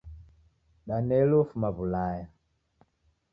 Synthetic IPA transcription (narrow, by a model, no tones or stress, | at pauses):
ɗanɛlofumaβulaja